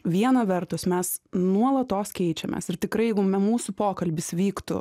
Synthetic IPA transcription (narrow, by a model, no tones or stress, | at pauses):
ʋʲiɛnɐʋʲɛrt̪ʊsmʲɛsnuɔlˠɐt̪oːskʲɛɪt͡ʃʲɛmʲʔɛ̰ːsɪɾt̪ʲɪkɾɐɪjɛɪɡʊmʲɛmuːsʊpoːkɐlʲbʲɪsʋʲiːkt̪ʊ̰